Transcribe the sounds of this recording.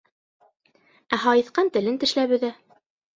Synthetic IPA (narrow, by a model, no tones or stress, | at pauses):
æɦɑjɤ̆θqɑnt̪ɘ̆lɘnt̪ɘ̆ʃlæβɘ̆ðæ